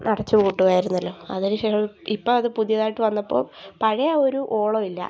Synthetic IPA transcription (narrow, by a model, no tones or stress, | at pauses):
nɐɽɐt͡ɕːɨʋuːʈːuɣaːjiɾunːɐlːo̞ːɐ̰ðinɨɕeːʂɐipːoːɐðɨpuðijɐðaːjiʈːɨʋɐnːɐpːo̰ːɭpɐɻɐjɐoɾuʔoːɭoːilːɐ̰